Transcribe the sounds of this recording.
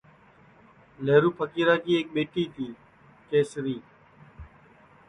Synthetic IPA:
leːɾuːpʰəkiːɾaːkiːeːk̚ɓeːʈiːt̪ʰiː | keːsɾiː

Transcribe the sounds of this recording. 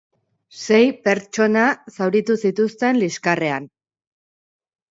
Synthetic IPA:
se̞jpe̞ɾt͡ʃo̞nasawɾit̪usit̪ust̪e̞nliskare̞an

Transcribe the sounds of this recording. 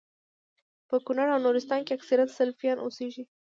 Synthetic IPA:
pəkʊnaɾawnuɾɪst̪ɑnkeaksaɾjat̪salfijɑnʔoseʒi

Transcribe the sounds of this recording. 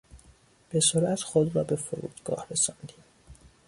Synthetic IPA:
b̥e̞soɾʔæt̪xod̪ɾɒːbe̞foɾṵːd̪̥ɡ̥ɒ̰ːhɾesɒnd̪iːm

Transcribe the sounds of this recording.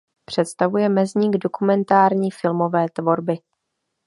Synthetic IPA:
pr̝̥ɛt̪st̪avujɛmɛzɲiːɡdo̞kumɛnt̪aːɾɲiːfɪlmo̞vɛːt̪vo̞ɾbɪ

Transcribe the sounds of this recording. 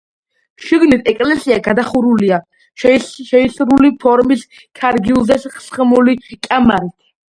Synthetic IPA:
ʃiɡnit̪ʰɛkʼlɛsiaɡad̪aχuɾulia | ʃɛisɾulipʰɔɾmis | kʰaɾɡilˠzɛsχsχmulikʼamaɾit̪ʰ

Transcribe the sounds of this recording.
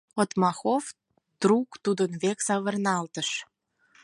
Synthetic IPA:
ot̪mɑxov | d̪̥ɾukt̪ud̪ənβeksɑβə̆rnɑlt̪əʃ

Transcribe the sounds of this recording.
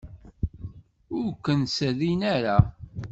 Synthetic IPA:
ʊɾkːənsəðinæɾa

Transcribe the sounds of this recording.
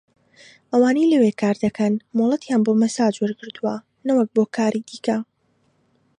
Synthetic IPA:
ʔɐwaːnejlɐweːkaːɾd̪ɐkʰɐnmoːlˠɐt̪jaːnboːmɐsaːd͡ʒwɐɾɡɨɾd̪uwɐ | nɐwɐk̚boːkʰaːɾid̪iːkɐ

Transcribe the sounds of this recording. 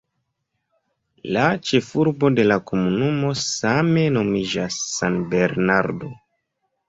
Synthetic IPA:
lat͡ʃe̞fuɾbo̞de̞lako̞munumo̞same̞no̞mid͡ʒasːanbe̞ɾnaɾdo̞

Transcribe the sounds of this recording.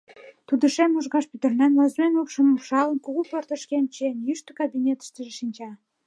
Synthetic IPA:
t̪ud̪ə̆ʃæmuʒɣɑʃpyt̪ə̆rnænlɑzmenopʃə̆muʃɑlənkuɣupɤrt̪ə̆ʃkent͡ɕenjyʃt̪ə̆kɑbinʲet̪ə̥ʃt̪ə̆ʒeʃinʲt͡ɕɑ

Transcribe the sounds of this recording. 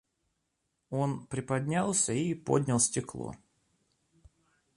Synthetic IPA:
o̞npɾʲɪpɐdʲnʲalˠsʲəipo̰d̪ʲnʲəlˠsʲtʲɪklˠo̰

